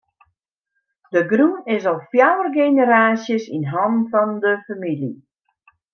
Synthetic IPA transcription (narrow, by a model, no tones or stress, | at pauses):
dəɡrunɪsɔlˠfjawərɡenəɾaːsjəsḭnɦɑnfɔndəfamilḭ